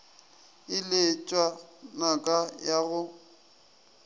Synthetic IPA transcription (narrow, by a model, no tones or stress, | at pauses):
ɪlet͡ʃʼwanakʼajaɣʊ